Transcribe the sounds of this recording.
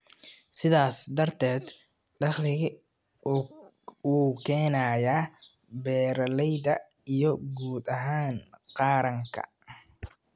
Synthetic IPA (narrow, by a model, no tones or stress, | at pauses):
sɪðaːsd̪ɐrt̪ʰɛːd̪ | ɖɑχlɪɣɪ | wuːkʰɛːnaːjaː | bɛːɾɐlɛjðɐ | ijɞɡuːd̪ɐɦaːnqɑːɾɐŋkʰɐ̰